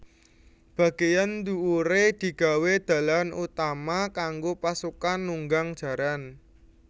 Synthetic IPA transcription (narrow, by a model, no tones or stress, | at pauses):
b̥a̤ɡ̥ejand̪uuɾed̪̥i̤ɡ̥a̤wed̪̥ä̤lanut̪amakaŋɡopasukanːuŋɡaŋd̥ʒ̥ä̤ɾan